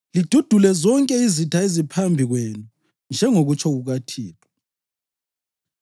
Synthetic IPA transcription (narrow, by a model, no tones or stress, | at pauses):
lid̥ʱud̥ʱulɛzɔŋkʼɛizitʰaezipʰambʱiɣwenu | nd͡ʒʱɛŋoɣut͡ʃʰʼɔɣuɣatʰiːǁɔ